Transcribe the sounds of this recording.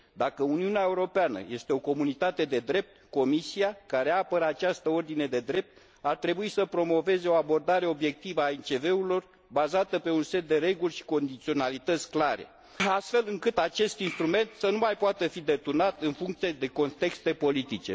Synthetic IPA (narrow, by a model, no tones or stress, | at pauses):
d̪akəuniuneae̞uɾo̞peanə̰je̞st̪e̞o̞ko̞munit̪at̪e̞d̪e̞d̪ɾe̞p̚t̪ko̞misiakaɾe̞apəɾəat͡ʃast̪əo̞rd̪ine̞d̪e̞d̪ɾe̞p̚t̪̚ | art̪ɾe̞buisəpɾo̞mo̞ve̞ze̞o̞abo̞rd̪aɾe̞o̞bje̞k̚t̪ivəaent͡ʃe̞ve̞ulo̞r | bazat̪əpe̞unse̞t̪̚d̪e̞ɾe̞ɡulʲʃi̥ko̞nd̪it̪sio̞nalit̪ət̪sʲklaɾe̞̰ | ast̪fe̞lɨŋkɨt̪at͡ʃe̞st̪inst̪ɾume̞nt̪sənumajpoat̪əfid̪e̞t̪urnat̪ɨnfuŋk̚t̪sijed̪e̞ko̞nt̪e̞kst̪e̞po̞lit̪it͡ʃe̞̰